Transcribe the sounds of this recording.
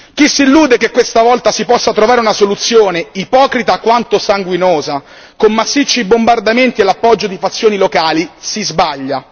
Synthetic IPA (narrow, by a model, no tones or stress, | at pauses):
k̟isːilːuːd̪ekekwest̪avɔlt̪asipɔsːat̪ɾovaːɾeunasolut̪sːjoːneipɔːkɾit̪akwant̪osaŋɡwinoːza | komːasːit͡ʃːibombard̪ament̪ielːapːɔd͡ʒːod̪ifat̪sːjoːnilokaːlisizbaʎːa